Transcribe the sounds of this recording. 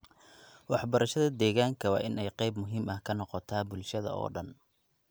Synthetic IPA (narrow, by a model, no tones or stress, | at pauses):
wɑħbɐɾɐʃɐðɐd̪ɛːɣaːŋkʰɐwɑ̰ːʔɪnɛjqɛjbmʊɦiːmɐhkʰɐnɔqɔt̪ʰaːbʊlʃɐðɐ̰ɔ̰ːɖɐn